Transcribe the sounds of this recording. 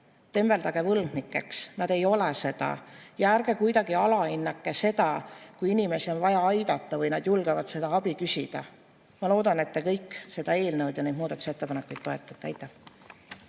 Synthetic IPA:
t̪e̞mve̞lt̪ɑɡ̥evɤlmnikːˑe̞ksnɑd̪̥e̞jo̞lese̞d̪̥ɑ̰jɑæɾɡ̥e̞kujd̪ɑɡ̥iɑlɑinːɑkːˑese̞d̪̥ɑkujinime̞sio̞nvɑjɑɑjd̪̥ɑt̪ˑːɑvɤjnɑd̪̥julɡ̥evɑd̪̥se̞d̪̥ɑɑb̥ikysʲid̪̥ɑ | mɑlo̞ːd̪ɑnet̪ːekɤjkːˑse̞d̪̥ɑe̞ːlnewd̪̥jɑnejd̪̥muːd̪ɑt̪u̥siet̪ːpɑnekːˑujt̪̚ːo̞e̞t̪ːˑɑ̥t̪ːˑejt̪ːˑe

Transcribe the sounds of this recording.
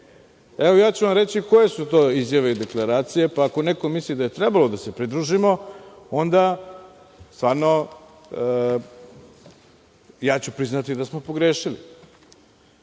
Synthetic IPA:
eʋojaːt͡ɕuʋamɾe̞t͡ɕiko̞je̞sut̪o̞ːizjaʋeid̪e̞klˠaɾaːt̪sije̞paːko̞ne̞ko̞mislid̪aje̞t̪ɾebalo̞d̪ase̞pɾid̪ɾuʒimo̞ | o̞nd̪a | st̪vaːɾno̞ | jaːt͡ɕupɾiznat̪id̪asmo̞po̞ɡɾeːʃilḭ

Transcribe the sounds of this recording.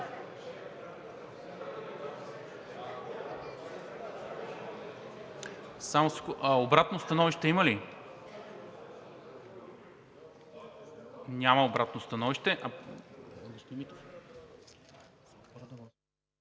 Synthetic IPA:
samoskoʔobɾat̪nost̪ɐnɔviʃt̪ɛiməli | nʲamɐobɾat̪nost̪ɐnɔviʃt̪ɛʔɐ | ɡʊst̪ʲimit̪ | d̪

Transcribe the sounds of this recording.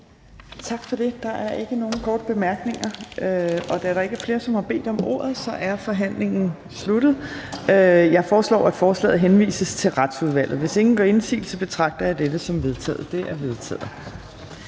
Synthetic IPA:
t͡sʰɑ̈ɡ̥fɒ̽d̥e̝d̥ɑ̈ʔæɐʔe̝ɡ̥əno̝ːn̩kʰɒːd̥əb̥e̝mæɐɡ̥ne̝ŋɐøɒ̽d̥æɐɾɑ̈e̝ɡ̥æɐfle̝ːɐsɒ̽mhɑ̈b̥e̝̰ːd̥ɒ̽mʔo̝̰ːɐðˠsɒ̽ʔæɐfɒ̽ɦæn̰le̝ŋn̩ | sluɾ̥ð̩ˠøjɑ̈ɪfɒːslɒ̰ːæd̥fɒːslɛ̰ːð̩ˠɦenʋḭːsəst͡sʰe̝lʁäd̥suð̞ˠʋæl̰ð̩ˠʋe̝se̝ŋn̩ɡ̥ɒe̝nsḭːl̩səb̥e̝t͡sʰʁɑ̈ɡ̥̚d̥ɐjɑ̈d̥ed̥əsɒ̽mʋe̝ð̞ˠt͡sʰɛ̰ːð̩ˠd̥e̝ʔæɐʋe̝ð̞ˠt͡sʰɛ̰ːð̩ˠ

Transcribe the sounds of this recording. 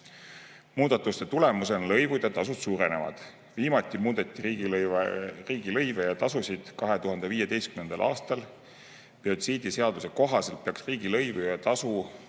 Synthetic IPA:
muːd̪̥ɑt̪ːˑust̪e̞t̪ule̞musenlɤjvud̪̥ɑt̪ɑsud̪suːɾe̞ne̞̰vɑ̰d̪̥ | viːmɑt̪ʲːˑimuːd̪̥e̞t̪ʲːˑiɾiː | riːɡ̥ilɤjvejɑt̪ɑsusʲid̪̥kɑɦe̞t̪uɦɑnd̪e̞viːjed̪e̞jst̪kymnend̪̥ɑ̰lʔɑ̰ːst̪ɑl | piod̪siːd̪ise̞ɑd̪use̞ko̞ɦɑse̞lpeɑksriːɡ̥ilɤjvujɑt̪ɑsu

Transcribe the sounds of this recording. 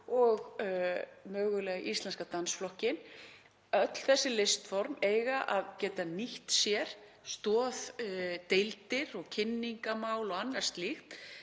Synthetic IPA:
ɔɣ | mœːɣʏlɛːɣaʔist̪lɛnskat̪ansflɔhcɪn | œt̪l̥θɛsːɪlɪst̪fɔɾmeːjɣaʔaðcɛːt̪aniht̪sjɛɾ̥ | st̪ɔːðt̪ejlt̪ɪɾɔɣcʰɪnːiŋkamaːwlɔɣanːaɾ̥st̪lixt̪

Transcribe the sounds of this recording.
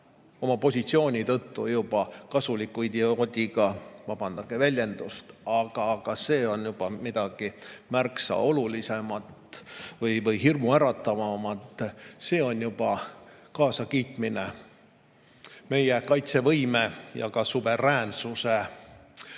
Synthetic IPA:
o̞mɑpo̞sʲit̪sio̞ːnʲit̪ɤt̪ːujubɑkɑsulikːˑujd̪jɑot̪ʲiɡ̥ɑvɑb̥ɑnd̪ɑɡ̥evælʲje̞nd̪̥ust̪ɑɡ̥ɑɡ̥ɑse̞ːo̞njub̥ɑmid̪̥ɑɡ̥imærksɑ̰o̞lulise̞mɑt̪vɤjvɤjɦirmuæɾɑt̪ːˑɑvɑmɑt̪ːˑse̞ːo̞njub̥ɑkɑːsɑkiːt̪mine | me̞jekɑjt̪se̞vɤjme̞jɑ̰kɑsuve̞ræːnsuse̞

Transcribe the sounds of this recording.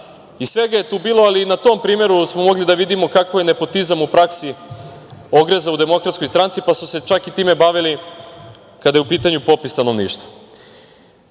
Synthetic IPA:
isʋe̞ɡaje̞t̪uːbiːlˠoalinat̪o̞mpɾiːmje̞ɾusmomo̞ɡlid̪aʋid̪imo̞kakoje̞ne̞po̞t̪izamupɾaksi | o̞ɡɾezaud̪e̞mo̞kɾat̪sko̞jst̪ɾant̪sipasuse̞t͡ʃakit̪iːme̞baʋili | kad̪ajeupiːt̪aɲupo̞pist̪ano̞ʋnḭːʃt̪ʋa

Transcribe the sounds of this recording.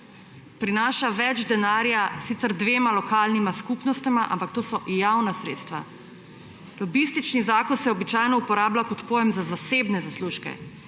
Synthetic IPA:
pɾinaːʃaʋɛd͡ʒd̪ɛnaːɾjasit̪səɾd̪ʋeːmalɔkaːlnimaskupnɔst̪ɛmaʔa̰mpak̚t̪oːsɔjawnasɾeːt̪st̪ʋa̰ | lɔbist̪it͡ʃnizaːkɔnsɛɔbit͡ʃaːjnɔupɔɾaːblakɔt̪poːjɛmzazaseːbnɛzasluːʃkɛ̰

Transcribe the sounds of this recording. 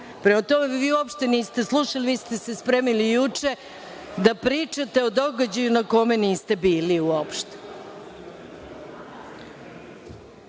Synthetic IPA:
pɾemat̪o̞meʋiːuopʃt̪eniːst̪e̞slˠuʃaliʋiːst̪esespɾemilijut͡ʂe̞ | d̪apɾiːt͡ʂat̪e̞od̪o̞ɡad͡ʑajunako̞me̞niːst̪e̞biːliuopʃt̪e̥

